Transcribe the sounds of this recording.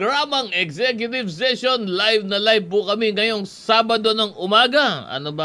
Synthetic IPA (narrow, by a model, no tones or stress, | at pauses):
ɡɹaːmɐŋɛksɛkjʊt̪ɪvsɛʃonlajvnɐlajv̚pʊkɐmiŋɐjo̞ŋsaːbɐd̪o̞nɐŋʔʊmaːɡɐʔɐ̰nobɐ